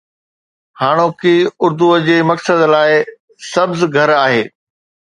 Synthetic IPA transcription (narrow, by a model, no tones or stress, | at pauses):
haːɽ̃oːkiːʊɾd̪uəd͡ʑeːmɐksəd̪laːɪ | sɐbzɡʱɐɾaːɦeː